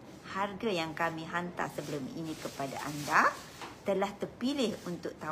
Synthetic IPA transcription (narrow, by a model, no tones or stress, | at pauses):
harɡajaŋkamĩɦant̪a̰səbəlʊmḭnĩkəpada̰ʔa̰nda | t̪əlaht̪ərpilɪhunt̪ʊk̚t̪a